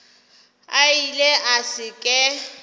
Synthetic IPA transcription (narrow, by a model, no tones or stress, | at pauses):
ailɛʔasɪkʼɛ